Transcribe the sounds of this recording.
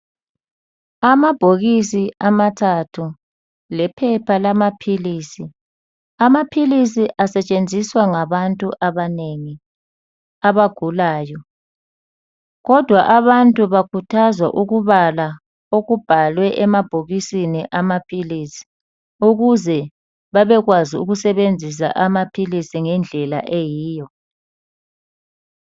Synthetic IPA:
amab̥ʱoɣisiamatʰatʰu | lɛpʰɛpʰalamapʰiliːsi | amapʰilisiʔasɛt͡ʃʼend͡zʱiswaŋaβantʼuʔaβaneŋi | aβaɡ̥ʱulaːjɔ | ɣɔd̥ʱwaʔaβantʼuβakʰutʰazwa̰ʔuɣuβala | oɣub̥ʱalwɛʔɛmab̥ʱoɣisiniʔamapʰiliːsi̥ | uɣuzɛ | βaβɛɣwaziuɣusɛβend͡zʱis̬a̰ʔamapʰilisiŋɛnd͡ɮʱɛla̰ʔejiːjɔ

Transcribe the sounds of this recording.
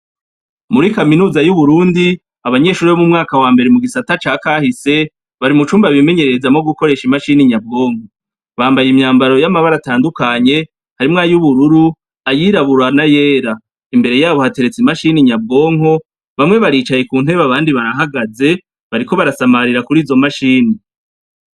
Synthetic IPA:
muɾikaminuːzajuβuɾuːndi | aβaɲe̞ːʃuːɾiβomumŋaːkawaːmbe̞ɾemuɡisatat͡ʃaːkaːhise̞ | βaɾimut͡ʃuːmbaβime̞ɲe̞ɾezamoɡuko̞ɾe̞ːʃimaʃiniɲab̚ɡo̞ːŋ̥ho̞ | βaːmbajimɲaːmbaɾo̞jamaβaɾataːndukaɲe̞ | haɾimŋaːjuβuɾuɾu | ajiːɾaβuɾanaje̞ːɾa | imbe̞ɾe̞jaːβo̞hate̞ɾe̞t͡simaʃiniɲab̚ɡo̞ːŋo̞ | βamŋe̞βaɾiːt͡ʃaje̞kuːn̥ɦe̞βaβaːndiβaɾaɦaɡaze̞ | βaɾiko̞βaɾasamaɾiɾakuɾiːzo̞maʃiːni

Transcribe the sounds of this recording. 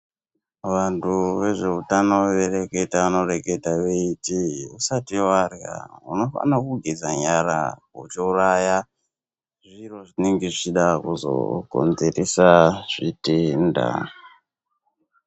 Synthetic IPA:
ʋantʰuʋe̞ʐe̞utanoʋereke̞taʋano̞re̞ke̞taʋeitiusatiwarja̰uno̞fa̰nakuɡʱezaɲaɾa̰ut͡ʃiuraja | ʐiro̞ʐineŋɡeʐit͡ʃiɗakuzo̰ɡ̥ʱo̞̰nze̞resaʐ̥itenda̰

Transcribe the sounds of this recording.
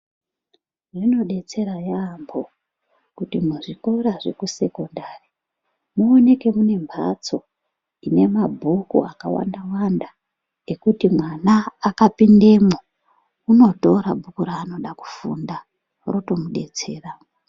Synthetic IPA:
ʐino̞ɗe̞t͡se̞ɾajambo̞ | kutimuʐiko̞ɾaʐe̞̰kuse̞ko̞ndari | muone̞ke̞mune̞mbʱa̰t͡so̞ | ine̞mabʱukṵaka̰wa̰ndawanda | e̞kutimwanaːkapinde̞mo | uno̞to̞ɾabʱukuɾaːno̞ɗaku̥fṵnda | roto̞muɗe̞t͡se̞ːra

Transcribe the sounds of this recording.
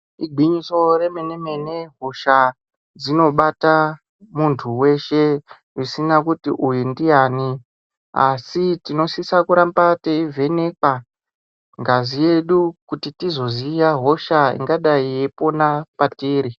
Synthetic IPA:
iɡʱiɲiso̞re̞mene̞me̞ne̞ɦo̞ʃa | d͡zino̞ɓata | muntʰuwe̞ʃe̞ | isinakutiʔujundijaːni | asitino̞sisakuɾambateivʱe̞ne̞kwa | ŋɡazije̞ɗukutitizo̞zijaɦo̞ʃaḭŋɡaɗaijepo̞napatiːɾi

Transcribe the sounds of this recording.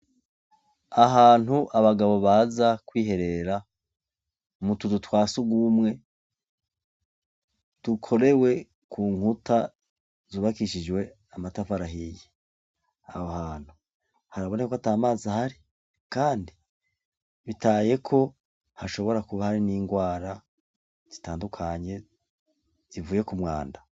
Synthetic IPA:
aɦaːn̥huʔaβaɡaβo̞βaːzakwiːɦe̞ɾe̞ɾa | mutudutwaːsuɡumŋe̞ | d̥ukʰo̞ɾewe̞ | kʰuːŋuta | zuβakiʃid͡ʒwe̞ | amatafaɾaɦije | ahohaːn̥hu | haɾaβo̞nekoataːmaːzahaɾi | kaːndi | βitaːje̞kʰo̞ | haʃo̞βo̞ɾakuβahaɾiniːŋɡwaːɾa | z̥itaːndukʰaɲe̞ | z̥ivuːje̞kumŋa̰ːnda

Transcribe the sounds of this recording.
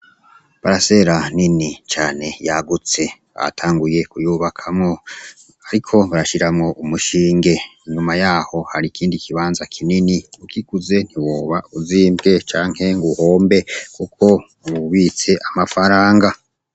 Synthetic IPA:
βaɾase̞ɾaninit͡ʃaːne̞jaɡut͡se̞βa̰tʰaːŋɡuje̞kujuβakʰamŋo̞ | aɾikʰo̞βaɾaʃiɾamŋo̞ʔumuʃiːŋɡe̞iɲumajaːho̞haɾikʰiːndikʰiβaːnzakʰininiukʰikuze̞n̥hiwoːβauziːmbɡe̞t͡ʃaːŋ̥he̞ŋɡuho̞ːmbe̞kukʰo̞ | βuβit͡se̞ʔamafaɾaːŋɡa

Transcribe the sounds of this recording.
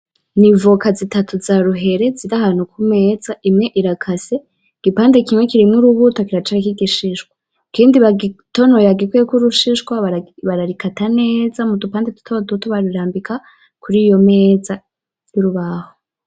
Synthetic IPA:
nivukazitatuzaɾuɦe̞ɾe̞ziɾaɦaːn̥hukʰume̞ːzaʔimŋe̞ʔiɾakʰase | ɡ̥ipaːnde̞kimŋekiɾimŋuɾuβutokiɾat͡ʃaɾikiɡiʃiʃɡwa | kiːndiβaɡito̞nojaɡikwekuɾuʃiʃkwaβaβaɾaɾikatane̞ːzamudupaːndetu̥tʰodutoβaɾiɾaːmbikʰa | kʰuɾijo̞me̞ːza | juɾuβaho̞

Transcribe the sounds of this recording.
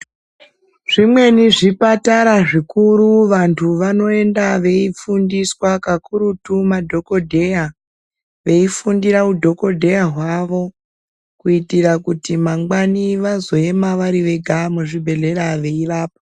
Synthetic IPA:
ʐ̥imwe̞niʐipataɾaʐikuɾuʋantʰuʋano̞e̞ndaʋe̞ifundiswakakuɾutumadʱo̞ko̞dʱe̞ja | ʋe̞ifundiɾaudʱo̞ko̞dʱe̞jaɦwaʋo̞ | kuitirakutimaŋɡaniʋazo̞e̞maʋaɾiʋe̞ɡʱamuʐibʱe̞ɮe̞ɾaʋe̞iraːp̚a

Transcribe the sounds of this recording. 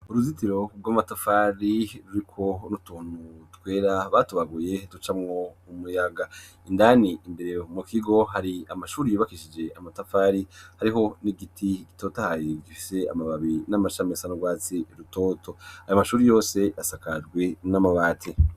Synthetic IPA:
uɾuzitiɾo̞ɡwamatafaɾiɾuɾikʰo̞nutuːn̥hutwe̞ːɾaβatuβaɡuje̞tut͡ʃamŋo̞umujaɡa | indaniindeɾemukiɡo̞ɦaɾiamaʃuːɾijoβakiʃid͡ʒe̞ʔamatafaɾihaɾiɦo̞niɡitʰiki̥totahajeɟifise̞a̰maβaβinamaʃamesanoɡwaːt͡siɾuto̞ːtʰo̞ajomaʃuːɾijo̞ːse̞jasakad͡ʒɡwe̞namaβaːtʰi

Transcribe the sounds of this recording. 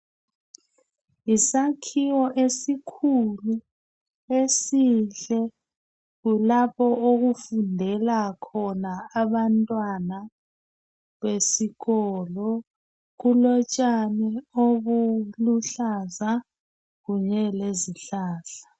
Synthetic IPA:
isakʰiwɔʔesikʰulu | esiɬɛ | ɣulapɔoɣufundʱɛlakʰɔnaːβantʼwana | βesiɣɔlɔ | ɣulɔt͡ʃʼanioβuluɬaza | ɣuɲɛleziɬaːɬḁ

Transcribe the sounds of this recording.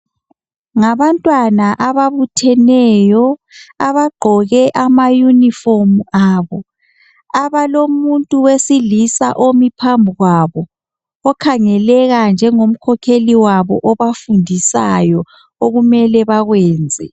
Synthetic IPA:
ŋaβantʼwanaʔaβaβutʰɛnɛjɔ | aβaɡ͡ǃʱɔɣɛʔamajunifomuaːβɔ | aβalomuntʼuwesilisa̰ʔomipʰambʱuɣwaβɔ | ɔkʰaŋɛlɛɣand͡ʒʱɛŋom̩kʰɔkʰeliwaβɔ̰ʔɔβafundʱisa̰jɔ | oɣumɛlɛβaɣwɛːnd͡zʱɛ̰

